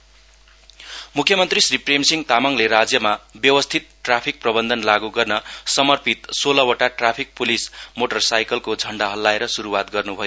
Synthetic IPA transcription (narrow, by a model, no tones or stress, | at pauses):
mukʰjʌmʌnt̪risripremsiŋt̪amʌŋleɾad͡zjʌmabjʌwʌst̪ʰit̪̚ʈrapʰik̚prʌbʌnd̪ʱʌnlaɡuɡʌrnʌsʌmʌrpit̪solʌwʌʈaʈrapʰik̚pulismoʈʌrsajkʌlkod͡zʱʌɳɖaɦʌlːaeɾʌsuɾuwat̪̚ɡʌrnubʱʌjo